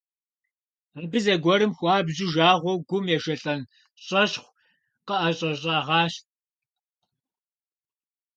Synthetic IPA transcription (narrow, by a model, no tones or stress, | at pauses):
abɨzɐɡʷɔɾɨmxʷɑːbʑɪʒaːʁʷɔwɡʷʊmjɛʃɐɬʼɐn | ɕʼɐɕχʷ | qəʔɐɕʼɐɕʼɑːʁɑːɕt̚